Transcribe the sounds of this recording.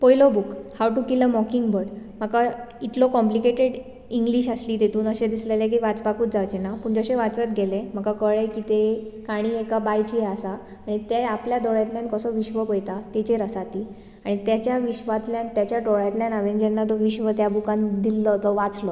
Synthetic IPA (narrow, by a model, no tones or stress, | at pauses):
pojlɔbukhawʈukiləmɔkiŋɡbəɾɽm̤akait̪lokɔmplikeʈeɽ | iŋɡliɕasliːd̪et̪uːnəɕẽd̪islelẽk̬iːʋat͡spakuːt̪̚d͡zaʋt͡ɕenapəɳd͡zəɕẽʋat͡sat̪ɡʱelẽm̤akakəɭekiːt̪ekaɽ̃iːekabajt͡ɕiasaː | ɽ̃it̪eapljad̪ɔɭat̪ljãnkəsəʋiɕʋəpəjt̪at̪et͡ɕeɾəsat̪iː | aɽ̃it̪jat͡ɕjaʋiɕʋat̪ljãnt̪jat͡ɕjaʈɔɭjat̪ljãnaʋend͡ʑɛnːat̪ɔʋiɕʋət̪jabukãnd̪ilːɔt̪ɔʋat͡slɔ